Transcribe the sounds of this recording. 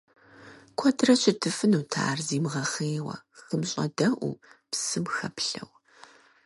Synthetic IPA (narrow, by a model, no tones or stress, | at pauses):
kʷʰɔdrɐɕʰʼɪtʰɨfɨnuːtʰa̰ːrziːmʁɐχeːwɐ̰xəmɕʼɐ̰dɐʔʷṵpsɨmxɐpɬɐ̰w